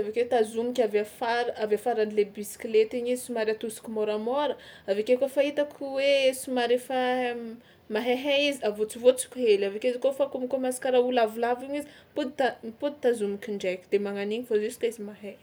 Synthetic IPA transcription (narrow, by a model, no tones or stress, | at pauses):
zavakwet̪azumikʲavafaɾavafaɾanilebisi̥kʲilet̪iɲizisimaɾat̪usi̥kʲumoɾamɔɾə | avakekofait̪akʰuwesimaɾefa | maɦeɦeiziavot͡sivot͡si̥kʲɦelavakʲeizikofakumikomasi̥kaɾaulavilaviɲizipud̪it̪apud̪̚t̪azumikʲiɳɖ͡ʐejkʲid̪̥emaŋaniɲifozusi̥kaizimaɦe